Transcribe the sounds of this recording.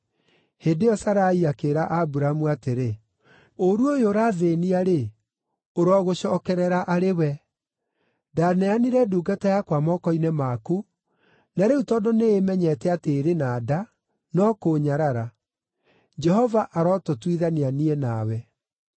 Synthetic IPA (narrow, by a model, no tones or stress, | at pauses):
heːdeɔsaɾaiakeːɾaʔabuɾamuateɾe | oɾuojoːɾaðeniaɾe | oɾɔːɣoɕɔːkɛɾɛɾaʔaɾewɛ | danɛaniɾɛduːɡatajakwamɔkɔinɛmaku | naɾeutɔːdoneemɛɲɛtɛateːɾenaːda | nɔkoɲaɾaɾa | d͡ʒɛhɔvaʔaɾɔtotwiðanianiɛnawɛ